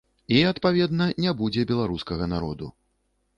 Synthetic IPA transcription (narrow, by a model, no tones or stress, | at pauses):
iɐt̪pavʲɛd̪nɐnʲɛbud͡zʲɛbʲɛlˠaɾuskɐɣɐnaɾɔ̰d̪ṵ